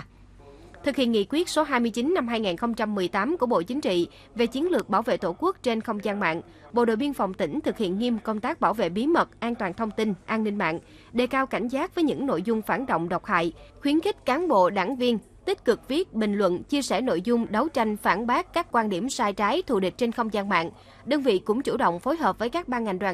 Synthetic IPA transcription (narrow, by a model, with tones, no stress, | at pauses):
t̪ʰɨ˨˩k̚hḭ˧˨əŋḭ˧˨kwi˦˥ət̚so˨˦ɦaː˧jmɨ˧t͡ɕi˨˦nːa˧mɦaː˧jŋaː˨˩nxə˧wŋ͡mt͡ɕa˧mːɨ˨˩əjt̪aː˨˦mku˧˩əɓo̰˧˨t͡ɕï˨˦ŋ̟t͡ɕḭ˧˨ | ve˨˩t͡ɕi˨˦ənlɨ˨˩ək̚ɓaː˧˩wvḛ˧˨t̪o˧˩ku˦˥ək̚t͡ɕe˧nxə˧wŋ͡mzaː˧nma̰ː˧˨n | ɓo̰˧˨ɗo̰˧˨jvi˧ənfɔ˨˩wŋ͡mt̪ï˧˩ŋ̟t̪ʰɨ˨˩k̚hḭ˧˨ənŋi˧mkə˧wŋ͡mt̪aː˦˥k̚ɓaː˧˩wvḛ˧˨ɓi˨˦mə˨˩t̚ʔaː˧nt̪waː˨˩nt̪ʰə˧wŋ͡mt̪i˧nʔaː˧nːï˧ŋ̟ma̰ː˧˨n | ɗe˨˩kaː˧wka˧˩jŋ̟zaː˦˥t̚vəː˨˦jɲɨ̰˧˥ŋno̰˧˨jzʊ˧ŋ͡mfaː˧˩nɗo̰˧˨wŋ͡mɗə˨˩wk͡p̚ha̰ː˧˨jxwi˨˦ənxi˦˥k̟̚kaː˨˦nɓo̰˧˨ɗa̰ː˧˩ŋvi˧ən | t̪ï˦˥k̟̚kɨ˨˩k̚vi˦˥ət̚ɓï˨˩ŋ̟lwə̰˧˨nt͡ɕi˧əsɛ˧˩no̰˧˨jzʊ˧ŋ͡mɗə˨˦wt͡ɕa˧jŋ̟faː˧˩nɓaː˦˥kkaː˦˥k̚kːwaː˧nɗi˧˩əmsaː˧jt͡ɕaː˨˦jt̪ʰṵ˧˨ɗï˨˩k̟̚t͡ɕe˧nxə˧wŋ͡mzaː˧nma̰ː˧˨n | ɗəː˧nvḭ˧˨kʊ̰˧˥ŋ͡mt͡ɕṵ˧˩ɗə̰˧˨wŋ͡mfo˨˦jɦəː˨˩p̚vəː˨˦jkaː˦˥k̚ɓaː˧ŋa˨˩ŋ̟ɗwaː˨˩ŋ